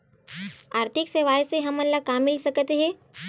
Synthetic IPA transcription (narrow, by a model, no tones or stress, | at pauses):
aːɾt̪ʰɪkseʋaːjseɦɐmɐnlakaːmilisɐkt̪eɦɛ̃ː